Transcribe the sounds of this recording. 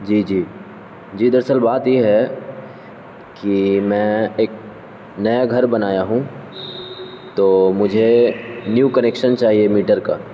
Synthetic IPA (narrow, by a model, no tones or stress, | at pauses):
d͡ʒiːd͡ʒiː | d͡ʒiːd̪əɾsəlbaːt̪jeɦɛ | kimɛ̃eːk̚ | nɐjaɡʱɐɾbɐnaːjaɦũː | t̪oːmʊd͡ʒʱenjuːkɐneːkʃənt͡ʃaːɦiemiːʈəɾka̰ː